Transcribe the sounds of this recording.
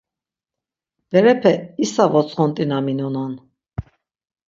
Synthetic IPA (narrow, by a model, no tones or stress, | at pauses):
vɛɾɛpʰɛisavɔt͡sʰʼχɔnt̪ʼinaminɔnan